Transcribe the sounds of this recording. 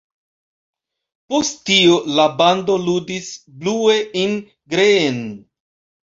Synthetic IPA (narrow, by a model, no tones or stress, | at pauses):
postio̞labando̞ludisblue̞in | ɡɾeːn